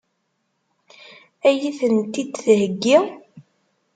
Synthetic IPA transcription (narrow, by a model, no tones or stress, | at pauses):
æjiθənt̪id̪θhəɡːi